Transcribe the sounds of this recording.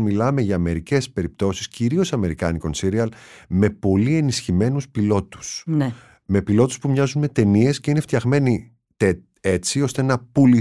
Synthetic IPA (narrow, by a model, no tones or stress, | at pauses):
milɐme̞ʝɐːme̞ɾice̞spe̞ɾip̚t̪o̞si̥sciɾio̞sɐme̞ɾikɐ̰niko̞nsiɾiɐlme̞po̞lie̞nisçime̞nuspilo̞t̪u̥sn | me̞pilo̞t̪u̥spumɲɐzunme̞t̪e̞nie̞sce̞ineft̪çɐɣme̞ni | t̪e | et͡sio̞st̪enɐpuli